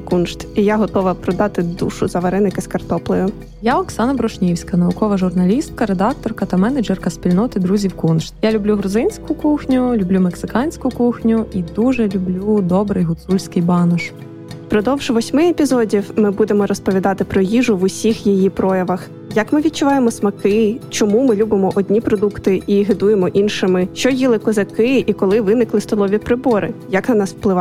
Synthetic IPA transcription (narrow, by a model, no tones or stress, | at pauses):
kunʃt̪ijaɦɔt̪ɔʋɐpɾɔd̪ɑt̪ɪd̪ṵʃʊzɐʋɐɾɪnɪkɪskɐrt̪ɔplˠɪjʊ | jaɔksɑnɐbɾɔʃnʲiwsʲkɐnɐʋʊkɔʋɐʒʊrnɐlʲist̪̚kɐɾed̪ɑk̚t̪ɔrkɐt̪ɐmɛnɐd͡ʒɛrkɐsʲpʲilʲnɔt̪ɪd̪ɾuzʲiwkunʃt̪jalʲʊblʲuɦɾʊzɪnʲsʲkʊkuxnʲʊlʲublʲumeksɪkɑnʲsʲkʊkuxnʲʊʔid̪uʒɛlʲʊblʲud̪ɔbɾɪjɦʊt̪sulʲsʲkɪjbɑnɔʃ | pɾɔd̪ɔwʒ̥ʋɔsʲmɪepʲizɔdʲiwmɪbud̪emɔɾɔspɔʋʲid̪ɑt̪ɪpɾɔjiʒʊʋʊsʲixjijipɾɔjɐʋɐx | jɐkmɪʋʲid̪̚t͡ʃʊʋɑjemɔsmɐkɪt͡ʃɔmumɪlʲubɪmɔʔɔd̪ʲnʲipɾɔd̪ukt̪ɪiɦɪd̪ujemɔʔinʃɪmɪʃt͡ʃɔjilˠɪkɔzɐkɪikɔlˠɪʋɪnɪklˠɪst̪ɔlˠɔʋʲipɾɪbɔɾʔɪ̰jɐknɐnɑsfplˠɪʋɑ